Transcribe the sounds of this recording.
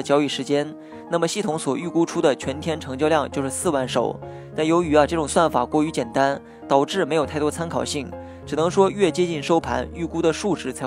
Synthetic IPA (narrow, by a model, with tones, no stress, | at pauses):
t͡ɕjɑ˧˥ʊy˨˩ʂɻ̩˧˥t͡ɕjɛ˥n | na˥˩mə˩ɕi˥˩t̪ʰʊ˧˥ŋswɔ˨˩y˥˩ku˥ʈ͡ʂʰu˥d̪ə˨t͡ɕʰɥɛ˧˥nt̪ʰjɛ˥nʈ͡ʂʰɤ˧˥ŋt͡ɕjɑ˥˧ljɑ˥˧ŋt͡ɕjo˥˧ʊʂɻ̩˥˧sɹ̩˥˩wa˧˥nʂo̰˨˩˦ʊ | t̪a˥˩njo˧˥ʊy˧˥ɐ˧ʈ͡ʂɤ˥˩ʈ͡ʂʊ˨˩ŋswa˥˩nfa̰˨˩kwɔ˥˩y˧˥t͡ɕjɛ˨˩nt̪a˥n | t̪ɑ˨˩ʊʈ͡ʂɻ̩˥˩me˧˥ɪjt̪ʰɪt̪wɔ˥t͡sʰa˥nkʰɑ˨˩ʊɕi˥˩ŋ | ʈ͡ʂɻ̩˨˩nɤ˧˥ŋʂwɔ˥ɥɛ˥˩t͡ɕjɛ˥t͡ɕi˥˩nʂo˥ʊpʰa̰˧˥ny˥˩ku˥d̪ə˨ʂu˥˧ʈ͡ʂɻ̩˥˩t͡sʰa˧˥